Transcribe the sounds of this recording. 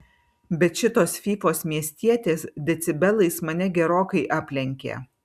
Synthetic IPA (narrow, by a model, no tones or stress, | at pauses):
bʲɛt̪ʃʲɪt̪oːsfʲiːfoːsmʲiɛsʲt̪ʲiɛt̪ʲeːsd̪ʲɛt̪sʲɪbʲɛlˠɐɪsmɐnʲɛɡʲɛɾoːkɐɪʔɑːpʲlʲɛŋʲkʲḛː